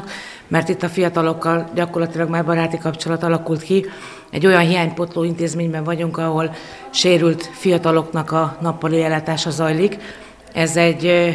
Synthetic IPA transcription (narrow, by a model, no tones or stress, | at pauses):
k | mɛrt̪it̪ːɒfijɒt̪ɒlo̞kːɒlɟɒko̞rlɒt̪ilɒɡmaːrbɒɾaːt̪ikɒpt͡ʃo̞lɒt̪ɒlɒkult̪ki | ɛ̰ɟːo̞jɒnɦijaːɲpo̞t̪loːint̪eːzmeːɲbɛɱvɒɟuŋkɒɦo̞l | ʃeːɾylt̪fijɒt̪ɒlo̞knɒkɒnɒpːɒliɛlaːt̪aːʃɒzɒjlik | ɛzɛɟː